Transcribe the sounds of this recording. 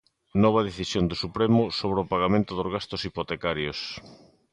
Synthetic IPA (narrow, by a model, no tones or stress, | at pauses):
nɔβɐð̞eθisjond̪ʊsupɾemʊsoβɾeopaɣamẽnt̪ʊðozɣast̪ʊsipot̪ekaɾjos